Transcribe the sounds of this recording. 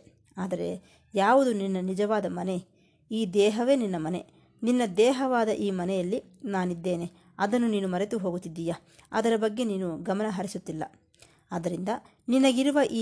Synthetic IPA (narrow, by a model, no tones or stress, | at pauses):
aːd̪ɐɾe̞̰ | jaːʋud̪uninːɐnid͡ʒɐʋaːd̪ɐmɐne̞ | iːd̪ɛːɦɐʋe̞ːninːɐmɐne̞̰ | ninːɐd̪ɛːɦɐʋaːd̪ɐʔiːmɐnɛjɐlːi | naːnid̪ːe̞ːne | ɐd̪ɐnːuniːnumɐɾet̪uɦo̞ːɡut̪ːid̪ːija | ɐ̰d̪ɐɾɐbɐɡːe̞niːnuɡɐmɐnɐɦɐɾisut̪ːilːɐ̰ | aːd̪ɐɾind̪ɐ | ninɐɡiɾuʋɐʔiː